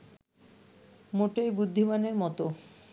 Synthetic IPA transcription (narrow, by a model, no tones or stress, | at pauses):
moʈejbud̪ʱːimaneɾmɔt̪o